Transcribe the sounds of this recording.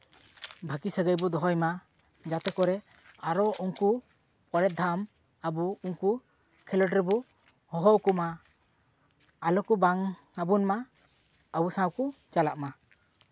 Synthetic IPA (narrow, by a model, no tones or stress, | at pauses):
bʱakisəɡəjbɔd̪ɔɦɔjma | d͡ʒat̪ɛkɔɾɛ | aɾɔuŋku | pʼɔɾɛt̪̚d̪ʱam | abuuŋku | kʰɛləɖɾɛbɔ | hɔɦɔwkuma | lɔkubaŋabunma | abusãwkut͡ʃalaʔma